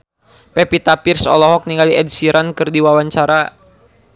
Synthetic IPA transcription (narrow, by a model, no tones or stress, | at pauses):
pɛpit̪apirsɔ̰lɔɦɔk̚niŋɡaliʔɛdsiɾʔankɨrdiwawaɲt͡ʃaɾa